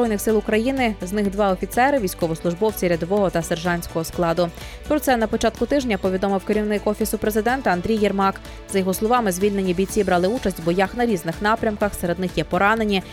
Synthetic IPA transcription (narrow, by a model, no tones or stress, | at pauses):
ɔjnɪxsɪlˠʊkɾɐjinɪznɪxd̪ʋɑɔfʲit̪sɛɾɪʋʲijsʲkɔʋɔslˠʊʒbɔwt͡sʲiɾʲɐd̪ɔʋɔɦɔt̪ɐserʒɑnʲsʲkɔɦɔsklˠɑd̪ʊ | pɾɔt̪sɛnɐpɔt͡ʃɑt̪̚kʊt̪ɪʒnʲɐpɔʋʲid̪ɔmɪwkeɾʲiwnɪkɔfʲisʊpɾezɪd̪ɛnt̪ɐɐnd̪ɾʲijːɛrmɑk | zɐjɔɦɔslˠɔʋɑmɪzʲʋʲilʲne̞nʲːibʲijt͡sʲibɾɑlˠɪut͡ʃɐsʲtʲbɔjɑxnɐɾʲiznɪxnɑpɾʲɐmkɐxseɾe̞d̪̚nɪxjɛpɔɾɑne̞nʲi